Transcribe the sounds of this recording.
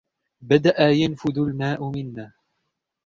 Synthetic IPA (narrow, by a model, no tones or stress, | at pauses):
bad̪aʔajanfʊd̪ʊlmaːʔʊmɪnːaː